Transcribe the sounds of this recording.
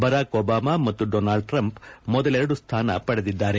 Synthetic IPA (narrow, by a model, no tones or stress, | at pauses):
bɐɾaːkoːbaːmaːmɐt̪ːuɖoːnaːlɭɖ̚ʈɾɐmpmɔd̪ɐlɛɾɐɽust̪ʰaːnɐ̰pɐɽed̪id̪ːaːɾe